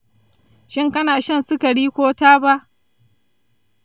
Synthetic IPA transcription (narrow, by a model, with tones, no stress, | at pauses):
ʃɪ˦ŋkɐ˦naː˨ʃɐ˦˨nsʊ˦kɐ˨ɽiː˦kʷoː˦taː˦ba˦ʔ